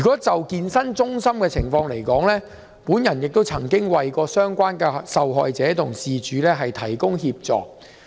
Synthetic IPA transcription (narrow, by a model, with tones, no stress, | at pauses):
yː˨˩kɔː˨˥t͡sɐ˨wkiː˧nsɐ˥nt͡sʊ˥ŋsɐ˥mkɛː˧t͡sʰɪ˨˩ŋfɔː˧ŋle˨˩jkɔː˨˥ŋlɛː˥ | puː˨˥njɐ˨˩njɪ˨k̚t̪o˥wt͡sʰɐ˨˩ŋkɪ˥ŋwɐ˨jkɔː˧sœː˥ŋkʷaː˥nkɛː˧sɐ˨wɦɔ̰ː˨jt͡sɛː˨˥t̪ʰʊ˨˩ŋsiː˨t͡ʃyː˨˦lɛː˥ɦɐ˨jt̪ʰɐ˨˩jkʊ˥ŋhiː˧p̚t͡sɔ̰ː˨k̚